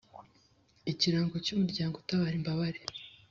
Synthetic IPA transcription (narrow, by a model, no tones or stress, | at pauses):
iciɾaːŋɡocumuɾɟaːŋɡotaβaːɾimbaβaɾe